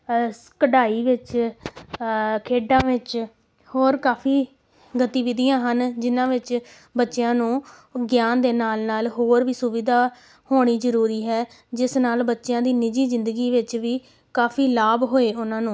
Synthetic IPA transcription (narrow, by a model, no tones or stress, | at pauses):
kəɖaːiːʋɪt͡ʃ | kʰeːɖãːʋɪt͡ʃ | hoːɾkaːpʰiː | ɡət̪iːʋɪd̪ijãːɦənd͡ʒɪnãːʋɪt͡ʃ | bətːʃjãːnũː | ɡjaːnd̪eːnaːlnaːlɦoːɾʋiːsʊʋiːd̪aː | hoːɽ̃iːzəɾuːɾiːɦɛː | d͡ʒɪsnaːlbətːʃjãːd̪iːnɪd͡ʒiːzɪ̃nd̪əɡiːʋɪt͡ʃʋiː | kaːpʰiːlaːbɦoːeːʔʊnãːnũː